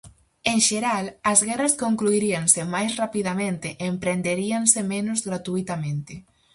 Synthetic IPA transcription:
eŋʃeɾalɐzɣɛrɐskoŋkluiɾiaŋsɪmajsrapiðamẽnt̪ɪʔeːmpɾend̪eɾiaŋsɪmenʊzɣɾat̪uit̪amẽnt̪ɪ

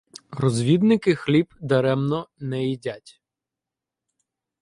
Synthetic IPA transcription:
rɔzʲʋʲid̪nɪkɪxlʲibd̪ɐɾɛmnɔnɛidʲatʲ

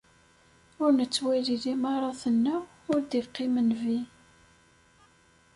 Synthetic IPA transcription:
ʊɾnət͡sːwæliðimɑɾˤɑθənːæ | ʊɾd̪iqːimənvi

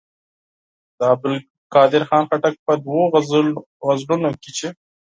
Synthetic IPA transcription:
d̪əɑbɪl | kɑːd̪ɪɾxɑnxaʈak̚pəd̪wo | ɣazlunoket͡ʃe

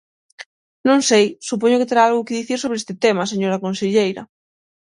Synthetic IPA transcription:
nõŋsejsup̬oɲʊkɪt̪eɾaalɣʊkɪðiθiɾsoβɾeest̪ɪt̪emaseɲoɾɐkonseʎejɾɐ̰

